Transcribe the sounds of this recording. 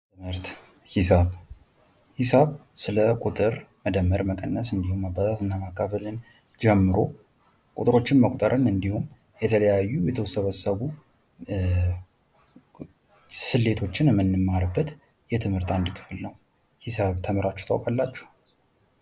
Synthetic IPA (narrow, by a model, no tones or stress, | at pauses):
ɨmɨɾt̪ | hisaβ | hisaβsɨləkʼut̪ʼɨɾ | məd̪əmːəɾməkʼənːəsɨnd̪ihumːabat̪ʰat̪ɨnːamakːafəlɨn | d͡ʒɛmːɨɾo̞ | kʼut̪ʼɨɾo̞t͡ʃːɪnməkʷʼt̪ʼəɾʔənɨnd̪ihum | jɛt̪ʰələjajːujɛt̪ʰəwsəβəsəβu | sɨlːe̞t̪ʰo̞t͡ʃːɪnɛmːɨnːɨmːaɾɨbːət̪ | jɛt̪ʰɨmhɨɾt̪and̪ɨkʰɨ̥fɨlnəw | hisaβt̪ʰəməɾat͡ʃːu̥t̪ʰawkʼalːat͡ʃːɛ̥h